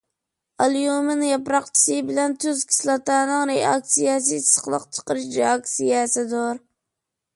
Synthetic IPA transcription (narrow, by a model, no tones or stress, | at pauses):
ɑlˠjumɪnjɑpɾɑqt͡ʃʰi̥sɨbɪlɛnt̪ʰyzkʲʰi̥slˠɑt̪ɑnɨŋɾeɑk̚sijɑs̬ɨsə̥χlˠɨqt͡ʃʰə̥qəɾɪʃɾeɑksijɛsɪd̪ʊɾ